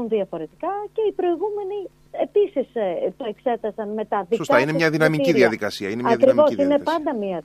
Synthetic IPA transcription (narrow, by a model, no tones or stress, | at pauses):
unðiɐfo̞ɾe̞t̪i̥kɐce̞ipɾo̞iɣume̞ni | episist̪o̞e̞kse̞t̪ɐsɐnme̞t̪ɐðissk̪ɐineɲɐðinɐmiiiðiɐðikɐsiɐinemɐɐkɾivo̞sine̞pɐnd̪ɐmiɐ